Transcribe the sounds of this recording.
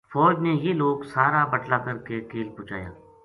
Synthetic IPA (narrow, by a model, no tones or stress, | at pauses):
fɔːd͡ʒnejeloːɡsaːɾabəʈlaːkɐɾkekeːlpʊ̃ːt͡ʃaːja̰ː